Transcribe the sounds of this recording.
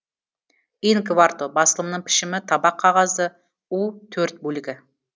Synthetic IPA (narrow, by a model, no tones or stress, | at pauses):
inkvart̪obɑsəlˠəmnəɴpʰɪ̥ʃɪmɪt̪ʰɑbɑqʰːɑʁɑzə | ut̪ʰɵɾt̪̚bɵlɪɡʲɪ